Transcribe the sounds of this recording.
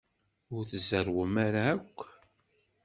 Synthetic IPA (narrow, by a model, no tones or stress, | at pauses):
ʊɾθəzəɾwəmaɾaːkʷː